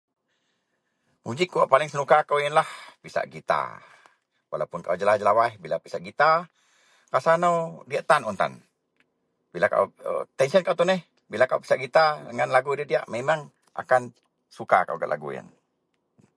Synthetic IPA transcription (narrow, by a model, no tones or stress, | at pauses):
mud͡ʒikːuaʔpalɪŋsənukakawjənlahpisa̰ʔɡit̪a̰ | wa̰lapʊnkaud͡ʒəlahd͡ʒəlawahbilapisaʔɡit̪a | kasanawdiaʔt̪anunt̪a̰n | bilaka̰ut̪ɛnsiənkawt̪unɛh | bilakawpi̥saʔɡit̪adəŋanlaɡudiadiaʔmemaŋ | ʔa̰kan | sukaka̰wɡa̰ʔlʔa̰ɡṵja̰n